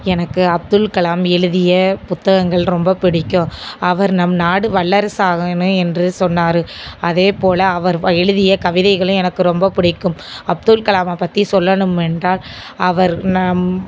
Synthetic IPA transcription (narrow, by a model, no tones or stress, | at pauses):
ɛnɐkːɯɐb̚ðɯlkɐɭaːmɛɻɯðɪjɐpʊt̪ːɐɣɐŋɡɐɭɾɔmbɐpɪɽɪkːõɐʋɐɾnɐmnaːɽɯʋɐɭːɐɾsaːɣɐnɯ̃ɛndrɯsɔnːaːɾɯʔɐðeːpoːlɐːʋɐɾɛɻɯðɪjɐkɐʋɪðɐɪɣɐɭɯ̃ɛnɐkːɯɾɔmbɐpɪɽɪkːɯmɐb̚ðʊlkɐlaːmɐpːɐt̪ːisɔlːɐɳɯmɛndraːl | ɐʋɐɾnɐm